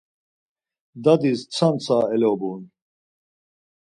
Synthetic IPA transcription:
d̪ad̪ist͡sʰant͡sʰaːɛlɛːbuːn

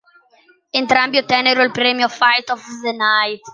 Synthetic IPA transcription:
ent̪ɾambjot̪ɛneɾoilpɾɛːmjofajt̪ɔfðenajt̪

